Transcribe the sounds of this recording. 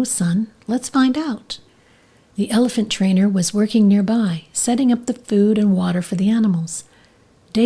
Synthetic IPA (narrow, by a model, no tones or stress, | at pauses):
ʊsʌ̃nlətsfãɪ̃ndaʊt̪̚ | ðiʔɛlˠəfɨ̃ntʰɹ̥ẽɪ̃nə˞wʌzwɜ˞kɪ̃ŋnɪɹbaɪsɛɾɪ̃ŋʌp̚ðɨfʉɾɨ̃nwɔɾə˞fə˞ðiænəml̩ˠz̥ | d̥e